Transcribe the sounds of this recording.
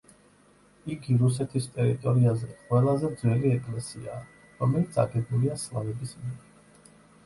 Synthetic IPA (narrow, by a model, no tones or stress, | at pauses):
iɡiɾus̬ɛt̪ʰist̪ʼɛɾit̪ʼɔɾiazɛqʼwɛlˠazɛd̪zwɛliɛkʼlɛsḭaː | ɾɔmɛlit̪sʰa̰ɡɛdmuliaslavɛbismiɛɾi